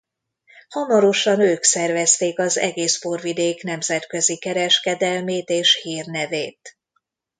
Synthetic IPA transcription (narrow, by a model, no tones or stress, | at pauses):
hɒmɒɾo̞ʃɒnøːksɛrvɛst̪eːkɒzɛ̰ɡeːsporvid̪eːknɛmzɛt̪kø̞zikɛɾɛʃkɛd̪ɛlmeːt̪eːʃhiːrnɛveːt̪